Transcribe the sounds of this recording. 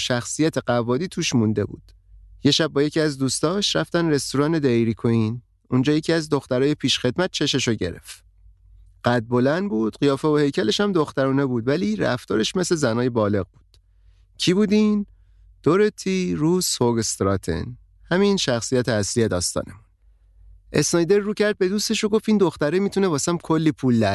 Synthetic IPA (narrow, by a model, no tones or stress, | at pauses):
ʃæxsijæt̪ʰe̞ɢævɒːd̪iːt̪ʰuːʃmund̪e̞bṵːd̪̥ | je̞ʃæb̚ːɒːje̞cʰiæzd̪uːst̪ɒːʃɾæft̪ænɾe̞st̪uɾɒːne̞d̪eɾikʰoiːn | und͡ʒɒːje̞cʰiæzd̪o̞xt̪æɾɒːje̞pʰiːʃxe̞d̪mæt̪̚t͡ʃʰe̞ʃe̞ʃoɟe̞̰ɾe̞̰ft̪ | ɢ̥æd̪̚bo̞lænd̪buːd̪̥ɢijɒːfeohe̞jcʰæle̞ʃhæmd̪o̞xt̪æɾuːne̞buːd̪væliːɾæ̰ft̪ɒːɾe̞ʃme̞sle̞zænɒːje̞bɒːle̞ɣbu̥ːd̪̥ | cʰibuːd̪iːn | d̪̥oɾet̪ʰiɾuːshoɡest̪ɾɒːt̪ʰḛn | hæmiːnʃæxsijæt̪ʰeæslije̞d̪ɒːst̪ɒ̰ːne̞mun | ʔe̞snɒjd̪e̞ɾːuːcʰæɾd̪̚be̞d̪uːst̪e̞ʃoɡo̞fiːnd̪oxt̪æɾemit̪ʰune̞bɒːsæmkʰo̞lːiːpʰuːld̪æɾ